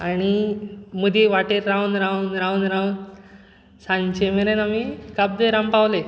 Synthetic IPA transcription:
añimud̪iʋaʈeɾːaunɾaunɾaunɾan | sãɲt͡ɕemeɾenamikab̚d̪eɾãmpawle

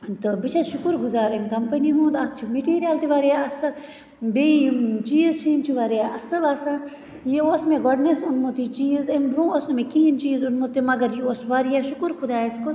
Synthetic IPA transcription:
t̪ɨbit͡ʃʰaʃʊkuɾɡʊzaːɾemkɐmpɐniɦũt̪ak̚t͡ʃʰimeʈiːɾijaːlt̪iʋaːɾijaɐsɐl | bet͡ʃiːzt͡ʃʰiːmt͡ʃʰiʋaːɾijaʔɐsɐlɐsãː | jeoːsmẽɡɔːɖnesunmut̪it͡ʃiːzembɾũːoːsnumẽkiɦint͡ʃiːzʊnmũt̪imɐɡɐɾjioːsʋaːɾijaʃʊkuɾkʰʊd̪aːɪsko

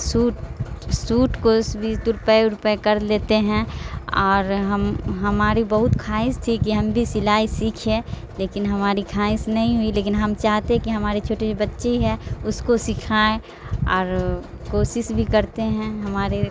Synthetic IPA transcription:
suːʈsuːʈkosbʱit̪ʊɾpəeɾʊpekəɾleːt̪eɦɛ̃ɔːɾɦəmɦɐmaːɾibəɦʊt̪kʰaːɪ̃st̪ʰikiɦɐmbʱisɪlaːisiːkʰẽ | leːkɪnɦɐmaːɾikʰaːɪ̃snɐɦĩɦʊileːkɪnɦɐmt͡ʃaːɦt̪eɦɛ̃kiɦɐmaːɾet͡ʃʰoːʈebətːʃeiɦɛ̃ʊskosɪkʰaːe | ɔːɾ | koːsɪsbʱikɐɾt̪eɦɛ̃ɦɐmaːɾe

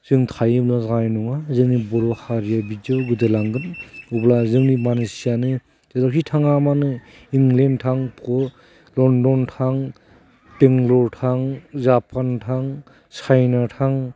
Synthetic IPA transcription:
zɯŋtʰajɯblazajnɔŋazɯŋnibɔɾɔhaɾijabid͡ʒɯɡɯdelaŋɡɯnublazɯŋnimanesijanɯ | zadɔkitʰaŋamanɯ | iŋlentʰaŋpɔ | lɔndɔntʰaŋ | teŋlɔɾtʰaŋzapʰantʰaŋ | sajnatʰaŋ

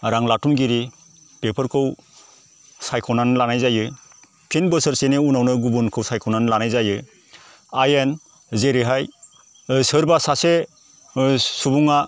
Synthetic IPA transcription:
ɾaŋlatumɡiɾi | pepʰɯɾkʰɯw | sajkʰɔnanlanajzajɯ | pʰenbɯsəɾseneunawnɯɡubunkʰɯwsajkʰɔnanlanajzajɯ | ajen | zeɾiɦaj | sɯɾbasase | subuŋa

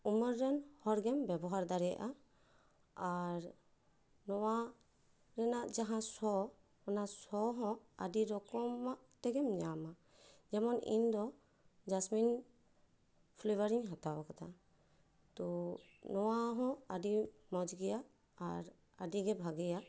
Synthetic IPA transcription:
uməɾːɛnhɔɾɡɛmbɛbɔɦaɾd̪aɾɛja̰ʔa | aɾ | nɔwa | ɾɛnaʔd͡ʒaɦãsɔ | mɔnasɔɦɔ̃a̰diɾɔkɔmːaʔt̪ɛɡɛmɲama | d͡ʒɛmɔnḭnd̪ɔ | d͡ʒasmin | pʰlibaɾiɲɦãt̪awakat̪ʰa | t̪ɔ | nɔwaɦɔ̃adimɔd͡ʒɡɛjaʔ | aɾ | adiɡɛbʱaɡɛjaʔ

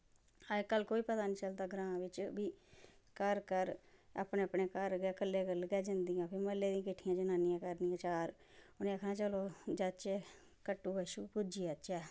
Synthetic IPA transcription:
əkəlkoːiːpət̪aːnĩːt͡ʃəlt̪aːɡɾãːʋɪt͡ʃbiː | kəɾkəɾa̰ːpneːəpneːkəɾɡɛːkəlːeːkəlɡɛːd͡ʒənd̪iːjãːpʰɪːməlːeːd̪ĩːãkɪʈʰːɪjãːd͡ʒənaːnɪjãːkəɾniːãːt͡ʃaːɾ | ʊnẽːəkʰnãːt͡ʃəloːd͡ʒət͡ʃɛː | kəʈːuːʋəʃuːkʊd͡ʒiːət͡ʃɛː

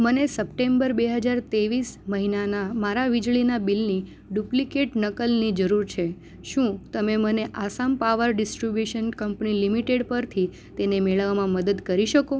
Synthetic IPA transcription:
mənesəp̚ʈembəɾbeɦəd͡ʒaɾt̪eʋisməɦinanamaɾaʋid͡ʒɭinabilni | ɖuplikeʈnəkəlnid͡ʒəɾuɾt͡ʃʰe | ʃũt̪əmeməneʔasampaʋəɾɖɪsʈɾibjuʃənkəmpnilimiʈeɽpəɾt̪ʰi | t̪enemeɭəʋmãməd̪əd̪kəɾiʃəko

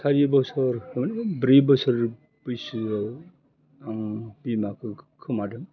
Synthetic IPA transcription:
tʰaɾibɔsɔɾbɾibɔsɔɾ | b̥ɯjsɯa | aŋbimakʰɯkʰɯmadɯm

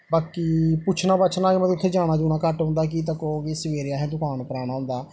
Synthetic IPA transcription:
baːkiːpʊt͡ʃʰnaːbətːt͡ʃʰnaːkɪmɛ̃t̪ʊt̪ʰːeːd͡ʒaːɽ̃aːd͡ʒuːnaːkəʈɦʊ̃ːnd̪aːk̬it̪əkoːɡisəʋeːɾaːɦɛ̃ːd̪ʊkaːnpəɾaːɽ̃aːɦʊ̃nd̪aː

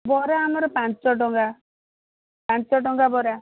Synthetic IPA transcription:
bɔɾaːmɔɾɔpant͡ʃɔɖɔŋɡa | pãnt͡ʃɔʈɔŋɡabɔɾa

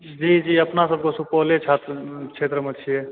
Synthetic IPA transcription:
d͡ʒid͡ʒiəpnasəb̚ʱkesupɔlet͡ʃʰat̪t͡ʃʰet̪ɾəmet͡ʃʰije

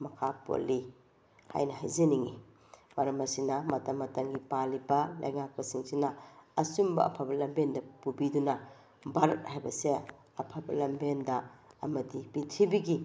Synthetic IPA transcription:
mɐkʰapo̰lːi | ha̰jnɐha̰jzɐniŋi | mɐɾɐmɐsinɐmɐtɐmːɐtɐŋɡipalibɐlɐ̰jŋak̚pɐsiŋsinɐɐsumbɐʔɐ̰pʰabɐlɐmbendɐpubidunɐ | bɐɾɐt̚hajbɐse | ɐpʰabɐlɐmbendɐːmɐdibitʰibiɡi

